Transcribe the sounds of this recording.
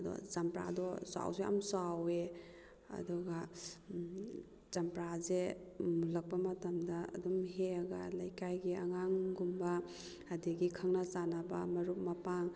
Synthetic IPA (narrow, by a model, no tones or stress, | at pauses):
dɔ̰zampɾa̰dɔsa̰wzea̰msawe | ɐ̰duɡa | zampɾazemulɐk̚pɐmɐtɐmda̰ːdumɦeaɡalajkajɡiaŋaŋɡumba | adiɡikʰaŋnasanɐbɐ̰mɐɾup̚mɐpaŋ